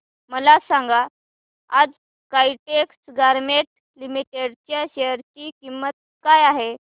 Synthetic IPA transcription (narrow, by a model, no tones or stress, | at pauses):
məlasãŋɡa | ad͡z | kaiʈeksɡaɾmeʈ | limiʈeɽt͡ɕjaɕejəɾt͡ɕikimət̪̚ | kajaɦe